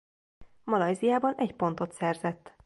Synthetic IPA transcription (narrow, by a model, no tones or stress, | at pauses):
mɒlɒjzijaːbɒnɛcpo̞nt̪o̞t̪sɛrzɛt̪ː